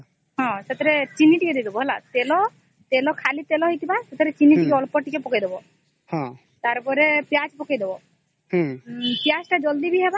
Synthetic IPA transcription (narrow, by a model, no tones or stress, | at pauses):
ɦɔ̃set̪ʰɔɾet͡ʃinːiʈiked̪ed̪ebɔɦela̰t̪elɔ | t̪elɔkʰalit̪elɔɦɔjt̪ibaset̪ʰɔɾet͡ʃinːiʈikeɔlpɔʈikepɔkajd̪ebɔ | hɔ̃ | t̪aɾpɔɾepjat͡ʃpɔkajd̪ebɔ | pjat͡ʃʈad͡ʒɔld̪ibʱiɦeba